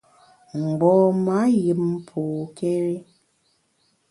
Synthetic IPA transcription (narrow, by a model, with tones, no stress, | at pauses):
ŋ͡m̩˨ɡ͡bɔ˨ma˨˦ji˨˦pʰu˨ke˦ɾe˦